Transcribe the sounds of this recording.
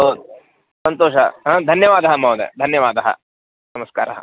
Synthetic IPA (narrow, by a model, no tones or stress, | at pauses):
ɦɐwd̪u | sɐnt̪oːʃɐɦɐ̃d̪ʱɐnjɐʋaːd̪ɐɦɐmɐʋd̪ḛd̪ʱɐnjɐʋaːd̪ɐɦɐ̰ | nɐmɐskaːɾɐɦɐ